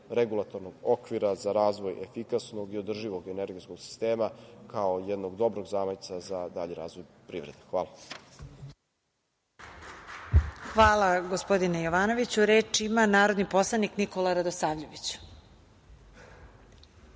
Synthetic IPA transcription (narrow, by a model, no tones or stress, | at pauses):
ɾeɡulˠat̪o̞ɾnoɡokʋiɾazaɾaːzʋojefikasnoɡiod̪r̩ʒiʋoɡeneɾɡiskoɡ̥si̥st̪eːmakaojed̪noɡd̪o̞bɾoɡzaːmajt̪sazad̪aʎiɾa̰ːzʋojpɾiʋvɾed̪exʋaːlˠa | xʋaːlˠaɡospo̞d̪inejoʋaːno̞ʋit͡ɕuɾe̞ːt͡ʂimanaːɾo̞d̪nipo̞slˠaniknikolˠaɾad̪osaːʋʎoʋit͡ɕ